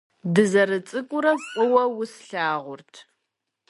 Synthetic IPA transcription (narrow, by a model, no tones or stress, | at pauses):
dɨzɐrɨt͡sʼɨkʷʼʊɾɐkʷʼʊwɐwʊsɬaːʁʷʊrtʰ